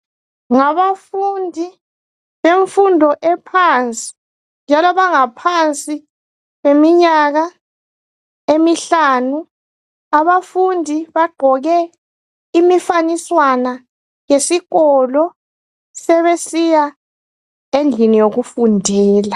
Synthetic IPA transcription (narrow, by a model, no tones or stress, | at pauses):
ŋaβafundʱi | βeɱfundʱɔʔɛpʰant͡sʼi̥ | nd͡ʒʱalɔβaŋapʰant͡sʼi | βemiɲaɣa | emiɬaːnu | aβafundʱiβaɡ͡ǃʱɔɣɛ | imifaniswana | jesiɣɔlɔ | sɛβesija | end͡ɮʱinijoɣufundʱɛːla